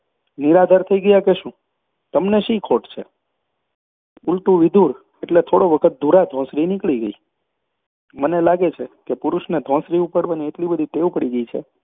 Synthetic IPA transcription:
niɾad̪ʱəɾt̪ʰəiɡəjakeʃũ | t̪əmneʃikʰoʈt͡ʃʰe | ulʈũʋɪd̪ʱuɾ | eʈlet̪ʰoɽoʋəkʰət̪̚d̪ʱuɾad̪ʱɔ̃sɾinɪkɭiɡəi | mənelaɡet͡ʃʰekepʊɾuʃned̪ʱɔ̃sɾiupəɽʋanieʈlibəd̪ʱit̪eʋũpəɽiɡəit͡ʃʰḛ

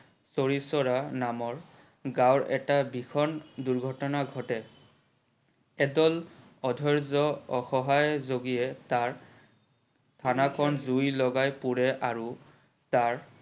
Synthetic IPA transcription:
soɹisɔɹanamɔɹ | ɡãwɹɛ̰tabikʰɔnduɹɡʱɔtɔnaɡʱɔtɛ | ɛdɔl | ɔdʱɔɹzɔɔxɔɦajzoɡijɛtaɹ | tʰanakʰɔnzujlɔɡajpuɹɛʔaɹu | taɹ

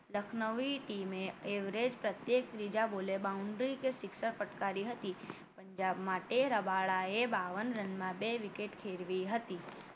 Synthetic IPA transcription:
ləkʰnəʋiʈiːmẽeːʋɾed͡ʒpɾət̪jeːkt̪ɾid͡ʒaboːlebaːʊ̃ɳɖɾikesɪkʃəɾpəʈkaːɾiɦət̪i | pə̃ɲd͡ʒaːbmaːʈeɾəbaːɭaebaːʋənɾənmãbeʋɪkeːʈkʰeːɾʋiɦət̪iː

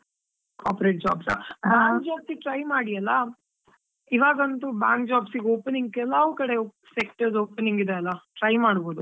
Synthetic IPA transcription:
kʰaːpɾeʈ̚d͡ʒa̰ːbsa̰baːŋkd͡ʒaːbsiʈɾɐjmaːɽijɐlːɐ | iʋaːɡɐnt̪ubaːŋk̚d͡ʒaːbsiɡoːpeniŋɡkeɛlaʋuːkɐɽe | sekʈɐɾsoːpeniŋɡid̪eɐlːɐʈɾɐjmaːɽboːd̪u

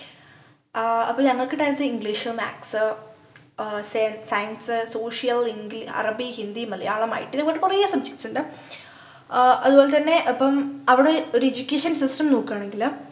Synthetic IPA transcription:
ɐpːoːɐŋːɐɭkːɨʈaːnit̪ːɨiŋɡliːʂɨma̰ːksɨ | snsɐjɐnsɨso̞ːʂijɐliŋɡliɐ̰rɐbihind̪ijumːɐlːɐ̰jaːɭɐma̰ːjiʈːilkoʈːekurijːɐsɐmɕe̥k̚ʈsuɳɖɨ | ɐðubo̞ːlet̪ɐnːe̞ʔɐpːɐmɐʋiɽe̞o̞ɾued͡ʑukʲːeːʂɐnsisʈɐmnuːkːaːɳe̞ŋɡil

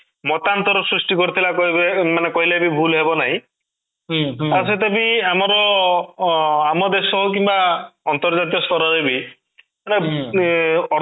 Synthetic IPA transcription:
mɔt̪ant̪ɔɾɔsɾusʈikɔɾit̪ʰilakɔmanekɔɦilebibʱulɦebɔnaɦĩ | aset̪ebiamɔɾɔ | amɔd̪esɔɦuk̬imbaɔnt̪ɔɾd͡ʒat̪̬ijɔsɔɾɔɾebi | mane | ɔ

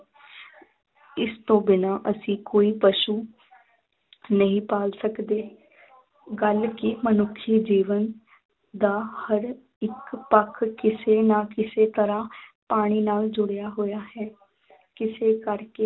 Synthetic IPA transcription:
ɪst̪õːbɪnãːʔəsĩːkoːiːpəʃuː | nəɦĩːpaːlsəkd̪eː | ɡəlkɪmənʊkʰːiːd͡ʒiːʋən | d̪aːhəɾ | ɪkpəkʰkɪseːnaːkɪseːt̪əɾãːpaːɽ̃iːnaːld͡ʒʊɽejaːɦoːjaːɦɛː | kɪseːkəɾkeː

